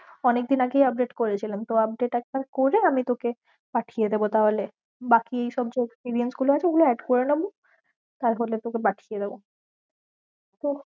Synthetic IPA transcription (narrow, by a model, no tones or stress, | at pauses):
ɔnek̚d̪inaɡejap̚ɖeʈkoɾet͡ɕʰilemt̪oap̚ɖeʈɛk̚ʈakoɾeamit̪oke | paʈʰijed̪ebot̪aɦole | bakiejʃɔb̚d͡ʑeekspiɾiensɡuloat͡ɕʰeeɡuloɛɖkoɾenebo | t̪aɾɦolet̪okepaʈʰijed̪ebo | t̪o